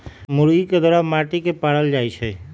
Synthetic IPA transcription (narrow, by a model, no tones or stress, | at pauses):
muɾɡiked̪ɔɾamaʈikepaɽəld͡ʒajt͡ʃʰe